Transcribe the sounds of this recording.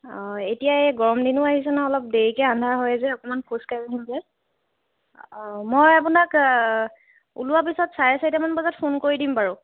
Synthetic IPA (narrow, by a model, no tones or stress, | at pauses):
ɔetijaɛɡɔɹɔmdinʊaɦis̬ɛnaɔlɔp̚deɹikɛandʱaɹɦɔjɛzɛɔkɔmanpʰoskaiaɦimzɛ | mojapunak | ṵluwap̬isɔtsaɹɛsajtamanbɔzatpʰonkoɹidimpaɹu